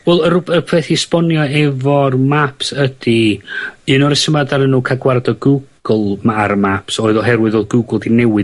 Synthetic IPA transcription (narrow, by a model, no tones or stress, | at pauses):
wɛlˠərʊbərpʰeθispɔnjɔɛvɔrmapʰsəd̥i | ɨnɔɾəsəmadaɾənuːkʰaɡwardɔɡuɡ̥lˠmaaɾmapsoːɨðɔɦɛɾwɨðoðɡuɡlˠdinɛwɪ